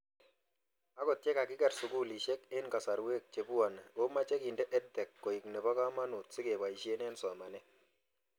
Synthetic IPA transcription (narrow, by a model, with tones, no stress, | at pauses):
a˦kɔ˨t̚t͡ʃɛ˦ka˨kɪ˦kɛ˨ɾsʊ˨ku˦li˨ʃe˦kɪ˦nka˨sa˨ɾwe˦˨k̚t͡ʃe˨pu˦a˨n˨o˦ma˦t͡ʃɛ˦ki˨ndɛ˦ʔɛ˦tːɛ˨kːo˨i˨knɛ˨pa˦ka˦ma˦nu˨t̚sɪ˦ke˨ba˨i˨ʃi˦e˦nɛ˦nsɔ˨ma˨nɛ˦